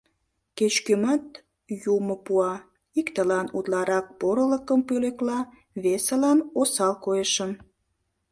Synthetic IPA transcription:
ket͡ɕkymɑt̪ | jumopuɑ | ikt̪əlɑnut̪lɑɾɑk̚poɾələkəmpøleklɑ | βesəlɑnosɑlkoeʃəm

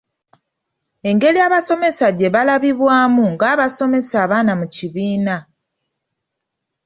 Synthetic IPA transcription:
e̞ŋɡe̞liaːβaso̞me̞saɟe̞βalaβiβwaːmuŋɡaːβaso̞me̞saːβaːnamuciβiːna

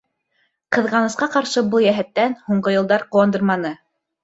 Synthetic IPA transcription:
qɤ̆ðʁɑnɤ̆sqɑqɑɾʃɤbɤlˠjæɦæt̪ːænhuɴɢɤjɤ̆lˠd̪ɑɾqŭwɑnd̪ɤɾmɑnɤ

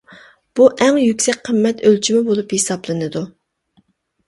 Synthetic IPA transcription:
b̥uʔɛŋjykʲsɛk̚ʲqʰəmːɛt̪ølt͡ʃʰimɪbolˠuphesɑblˠɨnɨd̪u

